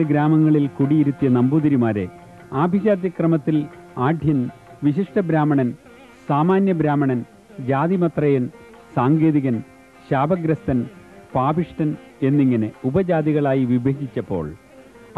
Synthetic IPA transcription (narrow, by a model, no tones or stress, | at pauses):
ɨɡɾaːmɐŋːɐɭilkuɽijiɾut̪ːijɐnɐmbuðɐɾimaːɾe̞ | aːbʱiɕaːd̪jɐkrɐmɐt̪ːilaːd̪ʱjɐnʋiɕiʂʈɐbɾaːmɐɳɐn | saːmaːnjɐbɾaːmɐɳɐn | d͡ʑaːðimɐt̪rɐjɐn | saːŋɡe̞ːðiɣɐn | ɕaːbɐɡɾɐst̪ɐn | paːbiʂʈɐn | e̞nːiŋːɐneubɐd͡ʑaːd̪iɣɐɭaːjiʋibʱeːɡit͡ɕːɐpːo̞̰ːɭ